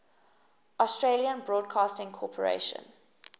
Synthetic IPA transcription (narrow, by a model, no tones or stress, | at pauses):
ɔstɹeliə̃nbɹɔːd̚kʰɑːstɪ̃ŋkʰɔpʰəɹḛʃə̰̃n